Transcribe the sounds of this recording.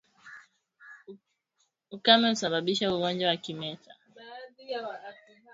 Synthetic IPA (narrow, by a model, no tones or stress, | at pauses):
ukamɛusaɓaɓiʃauɔnd͡ʒawakimɛta